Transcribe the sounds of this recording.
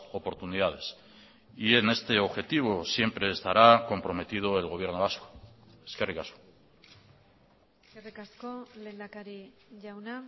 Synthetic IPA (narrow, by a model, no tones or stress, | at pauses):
opo̞ɾt̪uniðað̞e̞s | ie̞ne̞st̪e̞o̞βxe̞t̪iβ̞o̞sje̞mpɾe̞ːst̪aɾako̞mpɾo̞me̞t̪ið̞o̞e̞lɣo̞β̞je̞ɾno̞βasko̥ | eskerikasko̥ | eskerikaskolend̪akaɾiʝawna